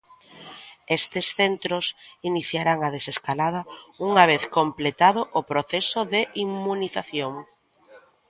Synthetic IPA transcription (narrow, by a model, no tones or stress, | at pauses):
est̪ɪsθent̪ɾosiniθjaɾaŋað̞eseskalað̞ɐuŋaβ̞eθkomplet̪aðʊʔːpɾoθesʊðɪʔimmuniθaθjoŋ